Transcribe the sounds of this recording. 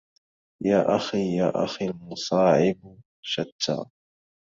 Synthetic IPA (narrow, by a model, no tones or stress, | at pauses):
jaːʔaxiːjaːʔa̰xiːlmʊsˤɑːʕɪb | ʃat̪ːa̰ː